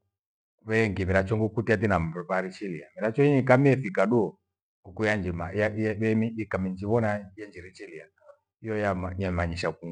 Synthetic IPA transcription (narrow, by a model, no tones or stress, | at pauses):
βɛŋɡimiɾat͡ʃɔŋɡukutiat̬inamβaɾit͡ʃiliamiɾat͡ʃɔiɲikamiɛfikaɗuɔ | ukujand͡ʒimajaβɛmiikamind͡ʒiβɔnajɛnd͡ʒiɾit͡ʃilia | ijɔjamajamaɲiʃakuŋ